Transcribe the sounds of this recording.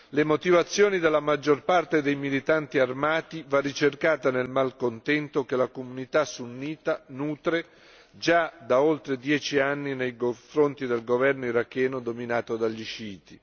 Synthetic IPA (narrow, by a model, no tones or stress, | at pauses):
lemot̪ivat̪sːjoːnid̪elːamad͡ʒːorpart̪ed̪ejmilit̪ant̪iarmaːt̪ivarːit͡ʃerkaːt̪anelmalkont̪ɛnt̪ok̟elakomunit̪asunːiːt̪anuːt̪ɾe | d͡ʒad̪aolt̪ɾed̪jɛːt͡ʃianːinejkoɱfɾont̪id̪elɡovɛrnoiɾakːɛːnod̪ominaːt̪od̪aʎːiʃiːt̪i